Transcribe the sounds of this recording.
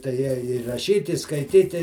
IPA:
tɐɪ ˈjɛ ɪ rɐˈʃʲiːt ɪ skɐɪˈtʲiːtʲɪ

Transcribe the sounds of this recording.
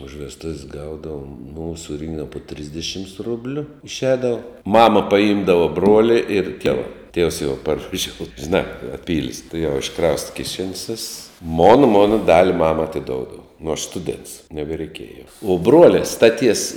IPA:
ʊʃ ʋʲɛsˈtʊwsʲ ˈɡɐʊdɐʋoːm nuː sʊˈrʲiːŋɡdɐʋɐ poː ˈtʲrʲɪzʲdʲɪʃʲɪms ˈrʊbʲlʲʊ ɪʃʲˈɛːdɐʋoː ˈmɑːmɐ pɐˈiːmdɐʋɐ ˈbruɔlʲɛ ɪr ˈtʲiɛʋɐ tʲiɛws jɛʊ pɐrʋɐˈʒʲoːʊ ʒʲɪˈnɑː pɐˈpʲiːlʲsʲ tʊˈjɛʊ ɪʃˈkrɐʊstɐ kʲɪˈʃʲɛnʲsʲ ʋʲɪss moːn ˈmoːnɐ ˈdɑːlʲɪ ˈmɑːmɐ ɐtʲɪˈdoːʊdɐʋɐ nʊ ɐʃ ˈstʊdʲɛnts nʲɛbʲɛrʲɛɪˈkʲeːjɛ jɛʊ uɔ ˈbruɔlʲɛ stɐˈtʲiɛs

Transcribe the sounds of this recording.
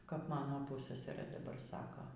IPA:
kɐp ˈmɑːnoː ˈpʊssɐsɐrɘ ˈdɑːbɐr ˈsɑːkoː

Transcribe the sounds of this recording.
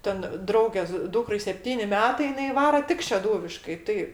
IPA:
ˈtʲɛn ˈdrɐʊɡʲeːs ˈduːkrɐɪ sʲɛpʲˈtʲiːnʲɪ ˈmʲæːtɐɪ jɪˈnɐɪ ˈʋɑːroː ˈtʲɪk ʃʲɛˈduːʋʲɪʃkɐɪ ˈtɐɪ

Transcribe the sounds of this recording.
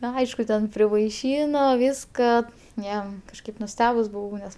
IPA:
ˈnɐ ˈɐɪʃkʊ tʲɛn pʲrʲɪʋɐɪˈʃʲiːnoː ˈʋʲiːskɐ ˈjoː kɐʃˈkɐɪp nʊˈsʲtʲæːbʊs bʊˈʋɐʊ nʲɛs

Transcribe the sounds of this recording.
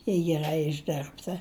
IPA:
jɛɪ ɡʲɛˈrɐɪ ɪʒʲˈdʲɪrptɐ

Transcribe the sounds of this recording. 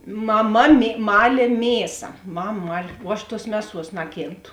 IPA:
mɐˈmɐ mʲeː ˈmɑːlʲeː ˈmʲeːsɐ ˈmɐm ˈmɐlʲ ʋuɔ ˈɐʃ ˈtuɔs ˈmʲæːˌsuɔs ˈnɑːkʲeːnˌtʊ

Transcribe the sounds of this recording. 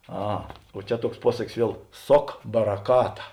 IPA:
ˈɐ oː ˈt͡ʃʲɛ ˈtuɔks ˈpuɔsɐkʲɪs ˈʋʲiɛlˠ ˈsoːk bɐrɐˈkɑːtɐ

